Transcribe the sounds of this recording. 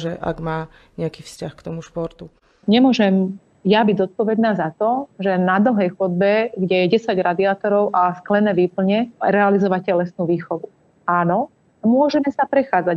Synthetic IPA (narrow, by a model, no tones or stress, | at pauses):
ʒɛʔa̰ɡmaː | ɲɛakiːfscaxkt̪ɔmuʃpɔɾt̪u | ɲɛmʊɔʒɛm | jabiɟzɔt̪̚pɔʋɛd̪naːzat̪ɔʒɛnad̪l̩ɦɛjxɔd̪̚bɛɡɟɛjɛɟɛsaɟɾad̪iaːt̪ɔɾɔʊʔasklɛnɛːʋiːpl̩ɲɛɾɛalizɔʋacɛlɛsnuʋiːxɔʋu | aːnɔ | mʊɔʒɛmɛsapɾɛxaːd͡za